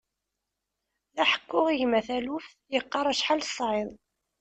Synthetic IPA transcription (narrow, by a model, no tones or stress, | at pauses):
æħə̥kːʊʁiʝmæθæluf | jəqːɑɾˤæʃħalsˤʕɪðˤ